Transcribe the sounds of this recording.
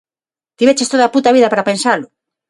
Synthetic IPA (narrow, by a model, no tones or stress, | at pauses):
t̪iβet͡ʃest̪oðaput̪aβiðapaɾapensalʊ